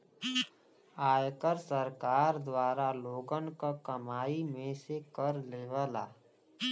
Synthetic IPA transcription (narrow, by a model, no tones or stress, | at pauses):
aːjkəɾsəɾkaːɾd̪waːɾaloːɡənkakəmaːimẽsekəɾleːʋəla̰ː